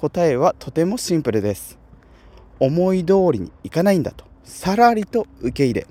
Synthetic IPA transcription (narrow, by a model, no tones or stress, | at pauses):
ko̞t̪ae̞β̞at̪ʰo̞t̪e̞mo̞ɕĩmpɯ̟ɾɯ̟d̪e̞sɨ̥ | o̞mo̞id̪o̞ːɾʲiɲ̟ḭːkanaĩnd̪a̰t̪o̥saɾaɾʲit̪o̞ɯ̟ke̞iɾe̞̰